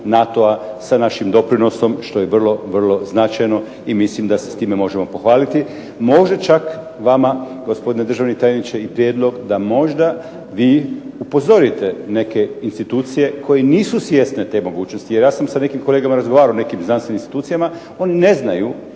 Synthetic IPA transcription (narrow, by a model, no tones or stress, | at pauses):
nat̪o̞asanaʃimd̪o̞pɾino̞so̞mʃt̪o̞jeʋrlˠo̞ʋrlˠo̞znat͡ʃajno̞ | imislimd̪asest̪iːmemo̞ʒe̞mo̞po̞xʋaːlit̪i | mo̞ʒdat͡ʃak | ʋama | ɡospo̞d̪ined̪ɾr̩ʒaʋnit̪aːjenit͡ʃeipɾjed̪lˠo̞ɡd̪amo̞ʒd̪a | ʋiːupo̞zo̞ɾit̪e̞ne̞ke̞inst̪it̪uːt̪sije̞kʰo̞jeniːsusje̞st̪ne̞t̪e̞mo̞ɡuːt͡ɕno̞st̪ijeɾjaːsamsane̞kimko̞leɡamaɾazɡoʋaːɾaone̞kimznanst̪ʋeninst̪it̪uːijama | o̞nine̞znaju